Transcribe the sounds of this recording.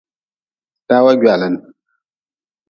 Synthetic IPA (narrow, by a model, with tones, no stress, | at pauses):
ta˦wa˦ɡʲɥa˨lə˨n˨